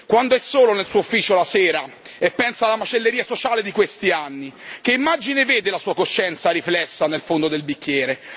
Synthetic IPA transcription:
kwand̪oɛsːoːlonelsuːoufːiːt͡ʃolasɛːɾa | epːɛnsaːlːamat͡ʃelːeɾiːasot͡ʃaːled̪ikwest̪ianːik̟eimːad͡ʒineveːd̪elasuːakoʃːɛnt̪saɾiflɛsːanelfond̪od̪elbikːjɛːɾe

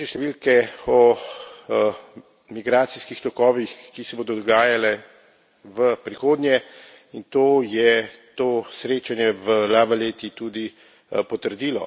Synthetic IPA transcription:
ɛʃt̪ɛʋilkɛɔ | miɡɾaːt̪siskixt̪ɔkɔːʋixkisɛboːd̪ɔd̪ɔɡaːjalɛ | ʋəpɾixoːd̪njɛ | int̪oːjɛt̪oːsɾeːt͡ʃanjɛʋəlaːbaleːt̪it̪ud̪i | pɔt̪əɾd̪iːlɔ

